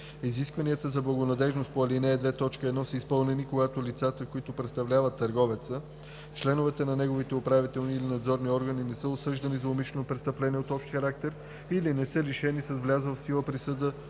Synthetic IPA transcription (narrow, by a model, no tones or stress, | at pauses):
iziskvɐnijət̪əzɐblˠɐɡonɐd̪ɛʒnost̪poɐlinɛːd̪vɛt̪ɔt͡ʃkəɛd̪nɔsəispɤlˠnɛnikoɡat̪olit̪sat̪əkoit̪opɾɛt̪st̪ɐvlʲavət̪ːəɾɡɔvɛt̪sə | t͡ʃlɛnovɛt̪ənɐnɛɡovit̪ɛopɾavit̪ɛlˠniːlinɐd̪zɔɾniɔɾɡəninɛsəosɤʒd̪ɐnizɐʊmiʃlɛnopɾɛt̪st̪əplɛniɛot̪ɔpʃt̪xɐɾak̚t̪ɛɾ | ilinɛsɤliʃɛnisɐzvlʲazvfsilˠəpɾisəd̪ə